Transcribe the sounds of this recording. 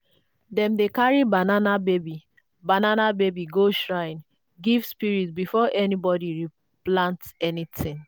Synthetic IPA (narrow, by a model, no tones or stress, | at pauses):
dɛ̃mdekaɹibananabebi | bananabebiɡoʃɹãɪ̃n | ɡivspiɹitbifɔʔɛnibɔdiɹi | plãntsɛnitɪ̃ŋ